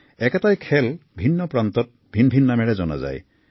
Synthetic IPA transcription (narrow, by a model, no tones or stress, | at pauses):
ekatajkʰelbʱinːɔpɾant̪ɔt̚bʱinbʱinːameɾed͡ʒɔna̰za̰j